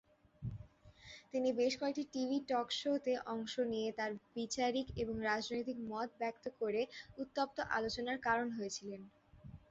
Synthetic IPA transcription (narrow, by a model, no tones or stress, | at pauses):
t̪inibeʃkoek̚ʈiʈibʱiʈɔkʃot̪eʔɔŋʃonijet̪aɾbit͡ɕaɾikeboŋɾad͡ʑnojt̪ikmɔt̪̚bɛk̚t̪okoɾeut̪ːop̚t̪oʔa̰lot͡ɕonaɾkaɾonɦojet͡ɕʰilen